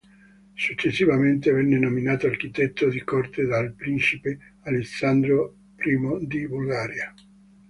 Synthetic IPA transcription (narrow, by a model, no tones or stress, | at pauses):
sut͡ʃːesːivament̪evɛnːenominaːt̪oark̟it̪ɛt̪ːod̪ikort̪ed̪alpɾint͡ʃipe | alesːand̪ɾo | pɾiːmod̪ibulɡaːɾja